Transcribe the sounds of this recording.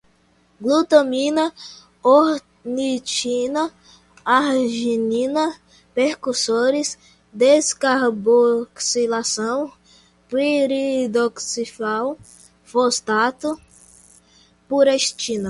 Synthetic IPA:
ɡlut̪omĩnɐ | oɾ | nit͡ʃinɐ | aɾʒinĩnɐ | pehkuɾsoɾɪs | d̪eskaɾboksilasɐ̃w̃ | piɾid̪oksifaw | fost̪at̪ʊ | puɾeʃt͡ʃĩnɐ

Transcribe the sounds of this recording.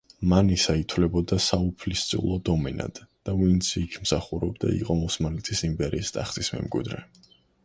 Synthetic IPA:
manisait̪ʰwlɛbɔd̪asaupʰlist̪sʼiulˠɔd̪ɔmɛna̰d̪̥ːavint̪sʰːkʰmsaχuɾɛbd̪a̰ḭqʼɔmɔsmalɛt̪ʼʰisimpʼɛɾiːst̪ʼaχt̪ʼismɛ̰mɡʼwḭd̪ɾɛ

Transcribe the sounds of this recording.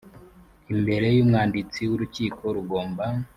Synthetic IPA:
imbe̞ɾe̞jumŋaːndit͡siwuɾuciːko̞ɾuɡo̞ːmba

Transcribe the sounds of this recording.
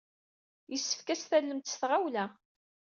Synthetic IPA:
jəsːə̥fkæsθælːəmt̪ə̥sθʁawlæ

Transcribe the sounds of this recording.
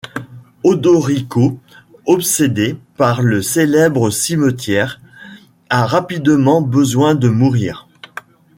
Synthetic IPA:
ɔd̪ɔʁiko | ɔpsed̪epaʁləselɛbʁəsimət̪jɛʁ | aʁapid̪mɑ̃bəzwɛ̃d̪əmuʁiːʁ

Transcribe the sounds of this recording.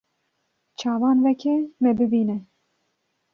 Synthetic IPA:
t͡ʃʰɑːvɑːnvɛkʰɛmɛbɨbiːnɛ

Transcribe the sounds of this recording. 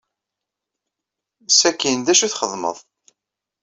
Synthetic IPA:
sækːind̪æʃuθχəðˤmə̰ðˤ

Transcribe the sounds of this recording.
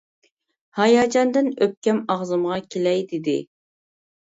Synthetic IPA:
hɑjɑːd͡ʒɑnd̪ɨnøp̚kʲɛmɑʁzɨmʁɑkʲʰelɛjd̪ɪd̪ɪ̰

